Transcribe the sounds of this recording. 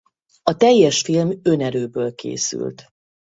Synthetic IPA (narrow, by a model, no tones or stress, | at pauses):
ɒt̪ɛjːɛʃfilmø̞nɛɾøːbøːlkḛːsy̰lt̪